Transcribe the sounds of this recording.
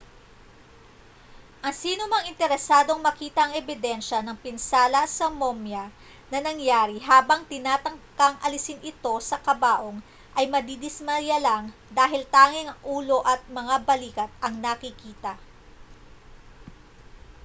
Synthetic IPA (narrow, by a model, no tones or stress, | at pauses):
ʔɐŋsiːnomɐŋɪnt̪ɛɾɛsaːd̪o̞ŋmɐkiːt̪ɐɐŋɛbɪd̪ɛnʃɐnɐŋpɪnsaːlɐsɐmomjɐ | nɐnɐŋjaːɾiɦaːbɐŋt̪ɪnaːt̪ɐŋkɐŋʔɐlɪsɪnɪt̪o̞sɐkɐbaːʔo̞ŋ | ʔɐjmɐd̪id̪ɪsmɐjɐlɐŋd̪aːɦɪlt̪aːŋɪŋɐŋʔuːlo̞ʔɐt̪̚mɐŋabɐliːkɐt̪̚ʔɐŋnɐkɪkiːt̪ɐ